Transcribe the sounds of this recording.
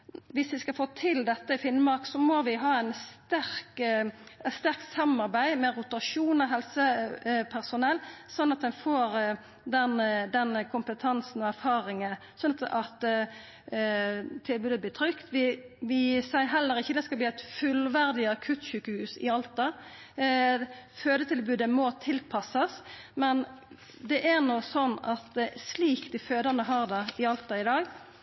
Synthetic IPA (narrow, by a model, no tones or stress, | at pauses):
ʋɪsʋɪskɑfoːt̪ʰɪld̪ɛt̪ːəɪfɪnːəmɑɾksɔmɔʋɪɦɑːæɪnst̪æɾk | ɛt̪st̪æɾkt̪sɑmːɑɾbæɪmɛɾʊt̪ɑʂuːnɔɦɛlsəpʰæʁsʊnɛlːsɔnːɑt̪̚d̪ɛnfoːɾ | d̪ɛnd̪ɛnkʰʊmpət̪ʰɑnsn̩ɔæɾfɑːɾɪŋə | sɔnɑt̪ | t̪ʰɪlbʉːd̪əbliːt̪ʰɾʏkt̪ʋɪʋɪsæɪɦɛlːəɾɪçːəd̪ɛskɑlbliːæɪt̪fʉlʋæɾd̪ɪɑkʰʉt̪ɕʉːkəhʉːsɪɑlt̪ɑ | føːd̪ət̪ʰɪlbʉːd̪əmɔt̪ʰɪlpʰɑsɑsmɛn | d̪ɛʔæʁnɔsɔnːɑt̪sliːkd̪ɪføːd̪ɑnəɦɑːʁd̪ɛɪɑlt̪ɑɪd̪ɑːɡ